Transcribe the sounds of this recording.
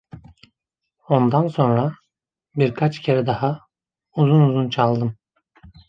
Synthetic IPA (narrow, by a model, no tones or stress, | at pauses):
o̞nd̪anso̞nɾa | biɾkʰat͡ʃcʰeɾɛd̪aha | uzunuzunt͡ʃʰalˠd̪ɯm